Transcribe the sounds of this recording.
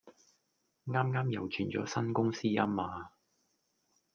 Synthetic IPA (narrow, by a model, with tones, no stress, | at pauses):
ŋaː˥mŋaː˥mjɐ˨˩wt͡ʃʰyː˨˩nt͡ʃɔ̰ː˨˥sɐ˥nkʊ˥ŋsiː˥jɐ̰˥mːaː˨˧